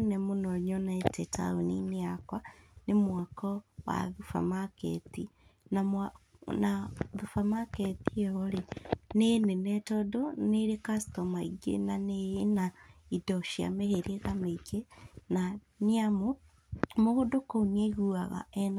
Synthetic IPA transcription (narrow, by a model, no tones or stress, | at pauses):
nɛmonɔɲɔnɛtʰɛtʰa̰onḭneakwanemwakɔwa̰ðufa̰makɛ̰t̪inamnaðufamakɛt̪iɔɾenenenɛtɔdɔneɾekastɔmaiɡḛnanenaidɔʃia̰meheɾeɣameɡena | niamo | moɣodokounieɣuaɣa̰ɛna